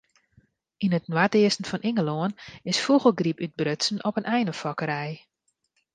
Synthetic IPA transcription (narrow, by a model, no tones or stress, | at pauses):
inət̚nwatɪəsn̩fɔnɪŋəloənɪsfuɣəlˠɡripyt̚brøtsn̩ɔpənʔɛjnəfɔkəɾɛj